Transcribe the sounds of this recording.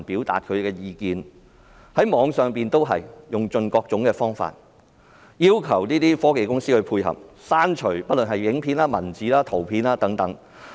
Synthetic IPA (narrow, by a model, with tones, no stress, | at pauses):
npiː˨˥wt̪a̰ː˨t̚kʰɵ˨˧ɥkɛː˧jiː˧kiː˨n | hɐ˨˥jmɔː˨˧ŋsœː˨˧ŋpiː˨nt̪o˥wɦɐ̰˨jjʊ˨˩ŋt͡ʃɵ˧nkɔː˧k̚t͡sʊ˨˥ŋkɛː˧fɔː˥ŋfa̰ː˨t̚ | jiː˥wkʰɐ˨˩wniː˥t̪iː˥fɔː˥ke˨˧jkʊ˥ŋsiː˥hɵ˨˧pʰuː˧jhɐ̰˨p̚ | saː˥nt͡ʃʰɵ˨˩pɐ˥t̚lɵ˨nhɐ˨jjɪ˨˥ŋpʰiː˧nlaː˥mɐ˨˩nt͡siː˨˥laː˥t̪ʰo˨˩wpʰiː˧naː˥t̪ɐ˨˥ŋt̪ɐ˨˥ŋ